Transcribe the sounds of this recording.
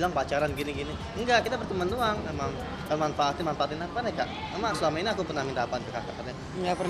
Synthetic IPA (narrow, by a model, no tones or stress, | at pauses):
ilaŋpat͡ʃaɾanɡiniɡini | ŋɡaʔkit̪abərt̪əmanduaŋmemaŋ | kəmanfaːt̪imanfaat̪inapanɛkaʔ | amasəlamainiakupənamindapant̪ukakakaɲa | ŋɡapər